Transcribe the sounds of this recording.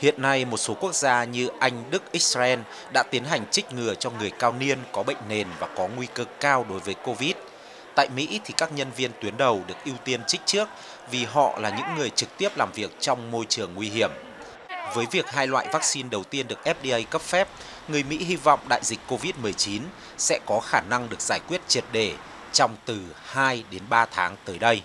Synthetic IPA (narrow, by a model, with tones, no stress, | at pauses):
hḭ˧˨ənːa˧jmo˨˩t̚so˨˦ku˦˥ək̚zaː˧ɲɨ˧ʔa˧jŋ̟ɗɨ˦˥k̚ʔi˦˥k̚saː˧ʔɛ˧n | ɗa̰ː˧˥t̪i˨˦ənɦa˨˩jŋ̟t͡ɕï˦˥k̟̚ŋɨ˨˩ət͡ɕɔ˧ŋɨ˨˩əjkaː˧wni˧ənkɔ˨˦ɓə̰˧˨ŋ̟ne˨˩nvaː˨˩kɔ˨˦ŋwi˧kɨ˨˧˩kːaː˧wɗo˨˦jvəː˨˦jko˧vi˦˥t̚ | t̪a̰ː˧˨jmḭ˧˥t̪ʰi˨˩kaː˦˥k̚ɲə˧nvi˧ənt̪wi˨˦ənɗə˨˩wɗɨ˨˩ək̚ʔi˧wt̪i˧ənt͡ɕï˦˥k̟̚t͡ɕɨ˦˥ək̚ | vi˨˩ɦɔ̰˧˨laː˨˩ɲɨ̰˧˥ŋːɨ˨˩əjt͡ɕɨ˨˩k̚t̪i˦˥əp̚laː˨˩mvi˨˩ək̚t͡ɕɔ˧wŋ͡mmo˧jt͡ɕɨ˨˩əŋːwi˧ɦi˧˩əm | vəː˨˦jvi˨˩ək̚ɦaː˧jlwa̰ː˧˨jvaː˦˥k̚si˧nɗə˨˩wt̪i˧ənɗɨ˨˩ək̚ʔɛ˦˥p̚ɗi˧ʔə˧jkə˦˥p̚fɛ˦˥p̚ | ŋɨ˨˩əjmḭ˧˥ɦi˧vɔ̰˧˨wŋ͡mɗa̰ː˧˨jzï˨˩k̟kːo˧vi˦˥t̚mɨ˨˩əjt͡ɕi˨˦n | sɛ̰˧˥kɔ˨˦xaː˧˩na˧ŋɗɨ˨˩ək̚z̥aː˧˩jkwi˦˥ət̚t͡ɕi˨˩ət̚ɗe˧˩ | t͡ɕɔ˧wŋ͡mt̪ɨ˨˩haː˧jɗe˨˦nɓaː˧t̪ʰaː˨˦ŋt̪əː˨˦jɗə˧j